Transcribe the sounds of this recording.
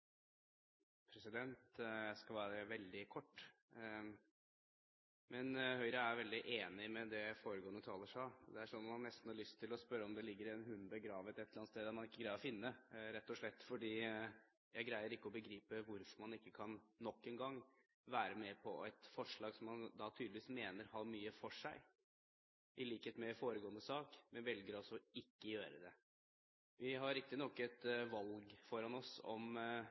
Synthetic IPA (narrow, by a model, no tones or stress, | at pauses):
pʰɾɛsɪd̪ɛnt̪jæɪskɑlʋæːɾəʋɛld̪ɪkʰɔʈː | mɛnhœʏɾəæɾʋɛld̪ɪʔeːnɪmɛd̪ɛfoːɾəɡoːənət̪ʰɑːləʂɑd̪ɛæʂɔnːɔmɑnːɛst̪n̩hɑɭʏst̪ʰːɪlɔspœɾːəɔmd̪ɛlɪɡːəɾɛnɦʉnːbəɡɾɑːʋət̪ɛt̪ləɾɑnst̪eːd̪æɾmɑnɪkːəɡɾæɪəɾɔfɪnːəɾɛt̪ːɔʂɭɛt̪ːfɔɖiː | jæɪɡɾæɪəɾɪkːəɔbəɡɾiːpəʋʊɾfɔɾmɑnɪkːəkʰɑnːɔkːɛːnɡɑŋː | ʋæːɾəmɛpʰɔæɪt̪fɔʂɭɑːɡsɔmːɑnd̪ɑt̪ʰyːd̪lɪʋiːsmeːnəɾhɑːmyːəfɔʂæɪ | ʔɪliːkheːt̪mɛfoːɾəɡoːənəsɑːkmɛnʋɛlɡəɾɔsːɔɪkːəjøːɾəd̪ɛ | ʋʔɪɦɑɾɾɪkt̪ɪnɔkːɛt̪ʋɑlɡfɔɾɑnɔsɔ̰m